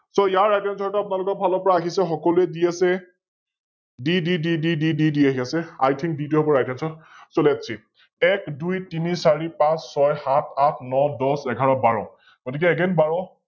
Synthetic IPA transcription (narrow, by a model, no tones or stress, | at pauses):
sɔijaɹajtɛnsʰɔɹtʊapʊnalʊkɔɹbʱalɔpɔɹaːɦisɛxɔkɔlʊɛdiasɛ | dididididididiaɦiasɛa̰jtʰiŋk̚dituɔbɔɹajtʰinsɔsoliatsʰi | ɛkdujtinisaɹipãsːɔjhatʰatʰnɔdɔsɛɡʱaɹɔbaɹɔ | ɡ̥otikɛɛɡɛnbaɹɔ